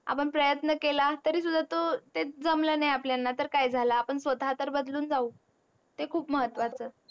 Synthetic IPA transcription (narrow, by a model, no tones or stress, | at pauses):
a̰pəɳpɾəjət̪nəkelat̪əɾiːsud̪ʱːat̪ot̪ed͡zəmlənajapljanːat̪əɾkajd͡zʱalaːpəɳsʋət̪at̪əɾbəd̪luːnd͡zauː | t̪ekʰuːpməɦət̪ːʋat͡səː